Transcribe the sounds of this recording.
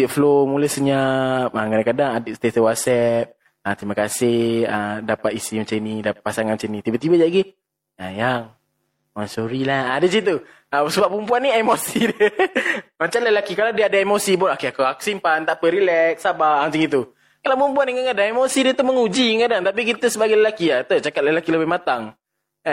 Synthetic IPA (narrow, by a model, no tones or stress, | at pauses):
t̪iflomuləhsəɲap̚əkadaŋkadaŋadəsə̥t̪iat̪əwat̪̚sɛp̚ | ət̪ɾimakasɪhhədapat̪isimat͡ʃainidapasaŋanmat͡ʃanĩt̪ibat̪ibad͡ʒaʔɡi | a̰jaŋ | ansoɾilahadəs̬it̪̬u | əsəbap̚umpuanːiemosidə | mat͡ʃamləlakikaladiaadaemosibʊnokeakuaku̥simpant̪aʔpəɾilɛk̚sabamat͡ʃaŋit̪̬u | kalawpəumpuandəŋaŋadaemosidət̪uməŋud͡ʒikadaŋt̪ap̬ikit̪əsəbaɡajləlakiat̪ot͡ʃakat̪̚ləlakiləbɪhmat̪aŋ